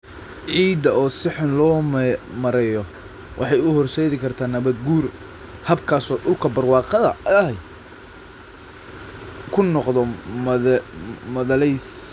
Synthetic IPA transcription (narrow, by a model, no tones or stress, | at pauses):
ʕiːd̪ɐɔːsɪħɪnlɔːmɐɾɛjɔ | wʔɑ̰ħɑjʊhɔrʃɛːðɪkʰɐrt̪ʰaːnɐβɐd̪ɡuːr | hɐbkʰaːsɔːɗʊlkʰɐbɐrwɑːqɑðɐj | kʰʊnɔqðɔ | mɐðɐlɛjs